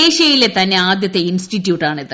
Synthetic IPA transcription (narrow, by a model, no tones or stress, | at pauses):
eːɕɐjilet̪ɐnːeaːd̪jɐt̪ːe̞insʈitːjuːʈːaːɳiðɨ